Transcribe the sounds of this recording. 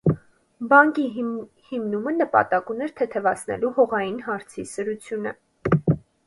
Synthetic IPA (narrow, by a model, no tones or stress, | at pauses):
bɑŋki | himnumənəpɑ̰t̪ɑkunɛɾt̪ʰɛt̪ʰɛvɑt͡sʰnɛ̰luhɔʁɑjinɦɑɾt͡sʰisəɾut͡sʰjunə̰